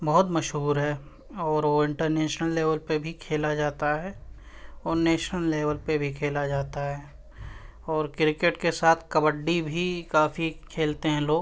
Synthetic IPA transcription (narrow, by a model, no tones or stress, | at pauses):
bɔɦʊt̪mɐʃɦuːɾɦɛː | ɔːɾʋoɪ̃ɳʈəɾneːʃnəlːeːʋəlpebʱikʰeːlad͡ʒaːt̪aɦɛː | ɔːɾneːʃnəlːeːʋəlpebʱikʰeːlad͡ʒaːt̪aɦɛː | ɔːɾkɪɾɪkeʈkesaːt̪ʰkɐbəɖːibʱikaːfikʰeːlt̪eɦɛ̃loːɡ